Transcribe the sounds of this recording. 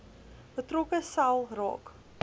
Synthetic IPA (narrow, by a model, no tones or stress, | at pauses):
b̥ətrokəsɐlˠrɑ̰ːk